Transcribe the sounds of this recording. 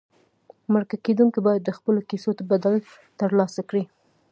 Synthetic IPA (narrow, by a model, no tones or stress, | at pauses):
məɾkaked̪uŋkibɑjad̪ːəxpəlokisot̪abad̪al | t̪əɾlɑsakɽi